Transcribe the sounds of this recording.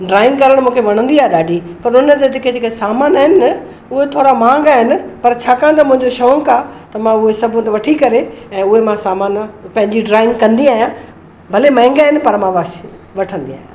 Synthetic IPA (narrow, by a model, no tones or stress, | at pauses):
ɖɾaːɪ̃ŋɡkɐɾəɽ̃mũːkʰeʋɐɽ̃ə̃nd̪iaːɦeɗaːɖʱipɐɾʊnənt̪et̪ɪked͡ʑekesaːmaːnaːɦɪnɪɐ | ʊɦet̪ʰoːɾamãːŋɡaːɦɪnɪ̆pɐɾt͡ɕʰaːkãːnd̪amʊ̃ɦɪ̃ɲd͡ʑoʃɐə̃ŋkaːt̪ɐmãʊɦesɐbʱʊt̪eʋɐʈʰikɐɾeɛ̃ːʊɦemãsaːmaːnpɐ̃ɦɪ̃ɲd͡ʑiɖɾaːɪ̃ŋɡkɐ̃nd̪iaːɦjãː | bʱɐlemãɪ̃ŋɡaːɦɪnɪ̆pɐɾmãʋa | ʋɐʈʰə̃nd̪ia̰ːɦjãː